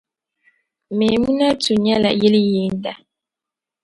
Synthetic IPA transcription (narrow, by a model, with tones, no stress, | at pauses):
me˨mũ˦nã˦tu˨ɲɛ˦la̰˨je˦li˦je˨n̩˦da˦